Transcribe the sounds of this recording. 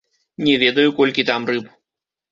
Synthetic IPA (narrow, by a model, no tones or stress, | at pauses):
nʲɛvʲɛd̪ɐjukɔlʲkʲit̪amrɨp